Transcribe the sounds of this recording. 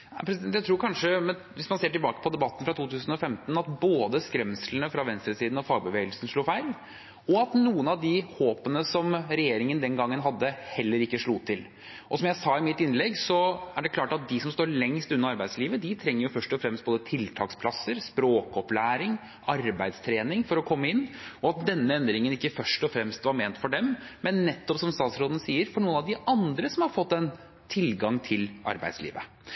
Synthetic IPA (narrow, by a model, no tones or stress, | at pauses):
æɪpʰɾɛsɪd̪ɛnjæɪt̪ʰɾuːɾkʰɑnʂəmɛn | ʋɪsmɑnseːʈɪlbɑːkə̥pʰɔd̪ɛbɑt̪ːənfɾɑt̪ʰuːt̪ʉːsn̩ɔfɛmt̪nɑt̪boːd̪əskɾɛmslnəfɾɑʋɛnst̪ɾəsiːd̪n̩ɔfɑːɡ̚bəʋeːɡəlsnʂɭuːfæɪl | ɔɑt̪nuːənɑʋd̪ɪhoːpənəsɔmɾɛjeːɾɪŋənd̪ɛnɡɑŋːənɦɑd̪ːəhɛlːəɾɪkːəʂɭuːt̪ʰɪl | ʔɔsɔmjæɪsɑːɪmɪt̪ːɪnlɛɡsɔæɖɛkʰlɑːʈɑt̪̚d̪ɪsɔmst̪oːɾɭɛŋst̪ʉnːɑɾɑɾbæɪd̪sliːʋəd̪ɪt̪ʰɾɛŋːəɾjʊfœʂʈɔfɾɛmst̪boːd̪ət̪ʰɪlt̪ʰɑːkspʰlɑsːəɾspɾoːkɔplæːɾɪŋ | ʔɑɾbæɪd̪st̪ʰɾeːnɪŋfɔɾɔkʰɔmːəɪnːɔɑt̪̚d̪ɛnːəɛnd̪ɾɪŋənɪkːəfœʂʈɔfɾɛmst̪ʋɑɾmeːnt̪fɔɖɛmmɛnːɛt̪ːɔpsɔmst̪ɑːt̪sɾoːd̪nəsiːəɾfɔɳuːənɑʋd̪ɪʔɑnd̪ɾəsɔmhɑɾfɔt̪ːɛn | t̪ʰɪlɡɑŋt̪ʰɪlʔɑ̰ɾbæɪd̪slḭːʋə